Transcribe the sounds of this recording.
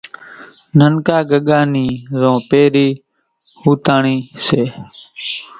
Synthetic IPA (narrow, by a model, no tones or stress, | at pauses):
nənkaːɡəɠaːniːzõːpeːɾiː | huːt̪aːɳiːseː